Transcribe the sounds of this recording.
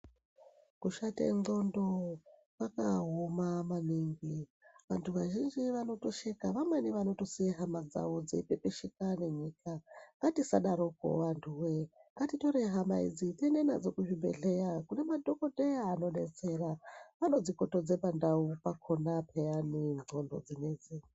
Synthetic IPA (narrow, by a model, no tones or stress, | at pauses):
kuʃatḛŋɡo̞ndo | kakaɦomamaniŋɡi | ʋantʰuʋaʒind͡ʒiʋano̞toʃekaʋamwaniʋano̞toseɦamad͡za̰wo̞d͡zeipepeʃikane̞ɲikʰaŋɡatisa̰ɗaɾoko̰ʋantʰuweŋɡatitoɾeɦama̰ḭd͡zitenena̰d͡zokuʐibḛɮejakune̞madʱokodeaːno̞ɗet͡seraʋano̞d͡zikotod͡zepandaupakʰonapʰejaniŋ͡ǀʱondo̞̰d͡zined͡zi